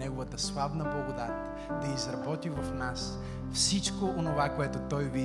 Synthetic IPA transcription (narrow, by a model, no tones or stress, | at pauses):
nɛɡovət̪əslˠabnəblˠɐɡod̪at̪ʲ | d̪ɐizɾɐbɔt̪ivɐfnas | fsit͡ʃkoʔonovakoɛt̪ʊt̪ɔjvi